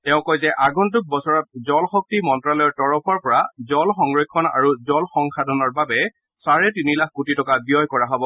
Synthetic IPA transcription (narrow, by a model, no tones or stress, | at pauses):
tɛʊ̃kɔjzɛʔaɡɔnt̬uk̚bɔsɔɹɔt̚zɔlxɔk̚timɔntɹalɔjɔɹtɔɹɔpʰɔɹpɔɹazɔlxɔŋɹɔkʰːɔna̰ɹuzɔlxɔŋxadʱɔnɔɹbabɛ | saɹɛtinilakkutitɔkabijɔjkɔɹaɦɔbɔ